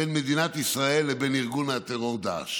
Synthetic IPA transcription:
enme̞d̪inat̪isʁae̞lːebeniʁɡunat̪eʁo̞ʁd̪a̰ʃ

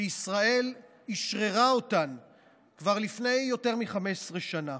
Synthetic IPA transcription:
isʁae̞l | iʃʁeʁao̞tan | kvaʁlifne̞jːo̞te̞ʁmiχamesʁeʃana

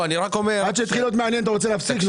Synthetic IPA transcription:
aniʁakomead̪ʃeit̪χilod̪meanjenat̪̬aʁot͡seleːfsik

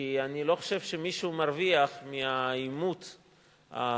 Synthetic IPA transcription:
ianilo̞χo̥ʃe̞vʃemiʃuumaʁviaχmiaimut | a̰

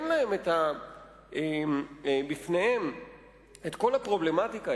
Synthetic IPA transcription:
nlae̞met̪a | e | bifnehem | et̪ko̞lapʁo̞ble̞mat̪ika

